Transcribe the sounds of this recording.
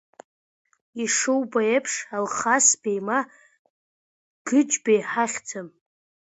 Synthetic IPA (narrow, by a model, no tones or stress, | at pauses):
iʂɨwbaepʰʂalχasbejma | ɡ̥ɨd͡ʒbejħaχʲt͡sʰam